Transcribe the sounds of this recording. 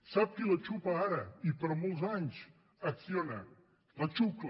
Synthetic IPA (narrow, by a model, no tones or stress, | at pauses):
sap̚kelɐt͡ʃupaaɾəipəɾmolˠzaɲs | ɐksionɐ̰ | lɐt͡ʃuk